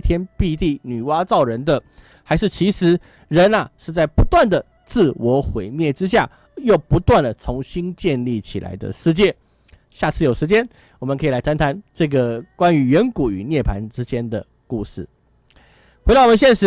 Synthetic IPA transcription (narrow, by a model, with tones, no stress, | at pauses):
t̪ʰjɛ˥npi˥˧t̪i˥˩ny˨˩wa˥t͡sɑ˥˨˩ʊɻə˧˥nd̪ə˨ | xa˧˥ɪʂɻ̩˥˩t͡ɕʰi˧˥ʂɻ̩˧˥ | ɻə˧˦nɐ˨ʂɻ̩˥˧t͡sa˥˩ɪpu˧˥t̪wa˥˩nd̪ə˩ | t͡sɹ̩˥˩wɔ˧˥xwe˧˩ɪmjɛ˥˩ʈ͡ʂɻ̩˦ɕ̬ja˥˩ | jo˥˨˩ʊpu˧˥t̪wa˥˩nd̪ə˩t͡sʰʊ˧˥ŋɕi˥nt͡ɕjɛ˥˧nli˥˩t͡ɕʰḭ˨˩la̰˧˦ɪd̪ə̰˨ʂɻ̩˥˧t͡ɕjɛ˥˩ | ɕja˥˧t͡s̩ʰ˥˩jo˨˩ʊʂ̩˧˥t͡ɕjɛ˥n | wɔ˨˩mə̃˦nkʰɤ˧˥i˨˩la˧˥ɪtʰa˥nt̪ʰa˧˥nʈ͡ʂɤ˥˩ɡə˩kwa˦ny˧˥ɥɛ˧˥nku˨˩y̰˨˩njɛ˥˩pʰa̰˧˦nʈ͡ʂɻ̩˥t͡ɕjɛ˥nd̪ə̰˨ | ku˥˧ʂɻ̩˥˩ | xwe˧˥ɑ˥˩wɔ˨m˧˦nɕjɛ˥˧nʂɻ̩˧˥